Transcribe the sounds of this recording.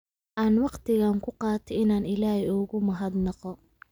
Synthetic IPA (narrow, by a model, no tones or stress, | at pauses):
ʔaːnwɑqt̪ʰɪɣaːŋkʰʊqɑːt̪ʰɔɪnaːnɪlaːhɛʊɣʊmɐɦɐd̪nɑqɔ